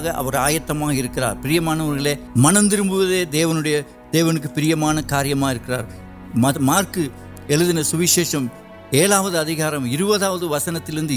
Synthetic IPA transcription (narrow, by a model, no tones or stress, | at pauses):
ɣɐʔɐ̰ʋɐɾaːjɐt̪ːɐmaːɣɐɪɾɯkːɪɾa̰ːɾpɪɾɪjɐmaːnɐʋɐɾɣɐɭeː | mɐnɐnd̪ɪɾɯmbɯʋɐðeːd̪eːʋɐnɯɽɐjɐ | d̪̥eːʋɐnɯk̬ːɯpɪɾɪjɐmaːnɐkaːɾɪjɐmaːɪɾɯkːɪraːɾ | mɐmaːrkɯ | ɛɭɯðɪnɐsʊʋɪʂeːʂɐm | eːlaːʋɐðɯɐðɪɣaːɾɐmɪɾɯbɐðaːʋɐðɯʋɐsɐnɐt̪ːɪlɪɾɯnd̪ɯ